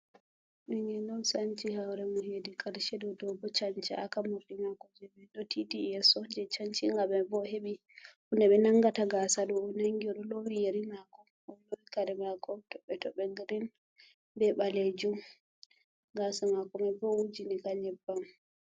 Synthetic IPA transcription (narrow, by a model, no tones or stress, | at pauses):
miŋɛnɔnsaɲt͡ʃihawɾɛmɔhedikaɾʃɛdɔdɔbɔt͡ʃaɲt͡ʃɛʔakamuɗimakɔd͡ʒɛbɛɗɔtʰitiɛsɔd͡ʒɛt͡ʃaɲt͡ʃiŋɡamɛbɔheɓi | kundɛɓɛnaŋɡataɡasaɗɔnaŋɡiɔɗɔlowijeɾimakɔ | lowikaɾɛmakʰɔtɔɓɛtɔɓɛɡɾin | bɛɓaled͡ʒum | ɡasamakɔmabɔwud͡ʒinikaɲɛbːam